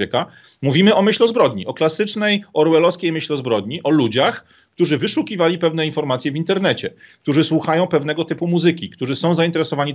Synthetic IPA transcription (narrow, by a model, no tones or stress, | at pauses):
ɛka | muvʲimɘʔɔmɘɕlɔzbɾɔd̪ɲiɔklasɘt͡ʂnɛjɔɾwɛlɔskʲejmɘɕlʲɔzbɾɔd̪ɲiʔɔlud͡ʑax | kt̪uʐɘvɘʂukʲivalʲipɛvn̪ɛinfɔɾmat̪sʲjɛvʲint̪ɛɾn̪ɛt͡ɕɛk̚t̪uʐɘswuxajɔ̃w̃pɛvn̪ɛɡɔt̪ɘpumuzɘkʲikt̪uʐɘsɔ̃w̃zaint̪ɛɾɛsɔvaɲi